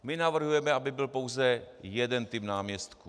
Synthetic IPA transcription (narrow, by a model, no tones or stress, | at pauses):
mɪnavr̩ɦujɛmɛabɪbɪlpowzɛjɛdɛnt̪ɪpnaːmɲɛst̪ku